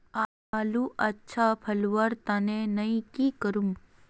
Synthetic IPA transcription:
a | aːluʔɐtːʃʰapʰɐlʋaɾt̪ɐnẽnɐĩkikəɾum

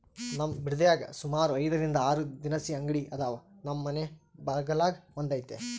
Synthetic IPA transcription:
nɐmːbiɾd̪ɐjaːɡɐ̰sumaːɾuɐjd̪ɐɾind̪ɐaːɾud̪inɐsiɐŋɡɐɽiʔɐd̪aːʋɐnɐmːɐnebɐɾɡɐlaːɡmɐnd̪aːjt̪ːḛ

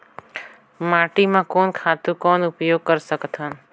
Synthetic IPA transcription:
maʈimãkɔːnkʰat̪ũkɔːnʊpjoɡ̚kəɾsəkt̪ʰan

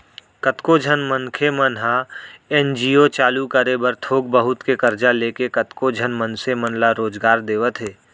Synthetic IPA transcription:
kət̪kod͡ʒʱənmənkʰemənɦaɛːnd͡ʒiːot͡ʃaːlukəɾebəɾt̪ʰoːɡ̚bəɦʊt̪kekəɾd͡ʒaleːkekət̪kod͡ʒʱənmənsemənlaɾoːd͡ʒɡaːɾd̪eːʋət̪ɦeː

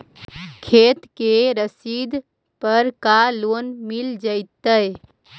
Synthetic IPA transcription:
kʰet̪keɾəsid̪ | pəɾkalonmild͡ʒəɪt̪əj

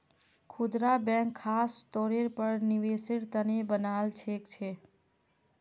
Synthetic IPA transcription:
kʰud̪ɾabɛ̃ŋkʰːasʈ̪oɾeɾpəɾniʋesɪɽt̪ənebənaːlt͡ʃʰekt͡ʃʰe

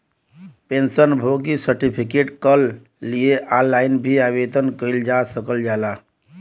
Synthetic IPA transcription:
pẽnsənbʱoɡisəɾʈipʰikeʈkəlː | ieʔalːaɪnbʱiaʋed̪ənkəild͡ʒasəkəld͡ʒala

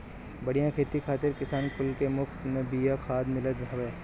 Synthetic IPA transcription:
bɐɽijãkʰeːt̪ikʰaːt̪ɪɾkɪsaːnkʊlkemʊxt̪mẽbijakʰaːd̪mɪlət̪ɾɐʋeː

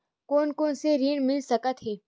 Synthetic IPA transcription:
koːnkõːnseɾiːɳmɪlsɐkət̪ɦeː

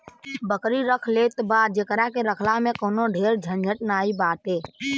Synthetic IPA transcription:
bəkɾiɾəkʰleːt̪baːd͡ʒekɾakeɾəkʰlamẽkoːnoɖʱeːɾd͡ʒʱənd͡ʒʱəʈ̚naːibaːt̪ɦeː

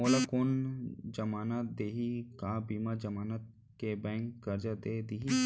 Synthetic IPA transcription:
oːlakʊnd͡ʒəmaːnad̪eːɦikabiːmad͡ʒɐmaːnət̪̚ | kebɛ̃ːŋkkɐɾd͡ʒad̪eːd̪iːɦi

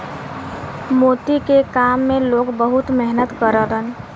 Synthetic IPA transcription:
moːt̪ikekaːmːẽloːɡbəɦʊt̪mɛɦnət̪kəɾəɾən

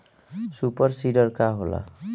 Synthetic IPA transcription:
supʌrsiɖʌrkaɦola̰

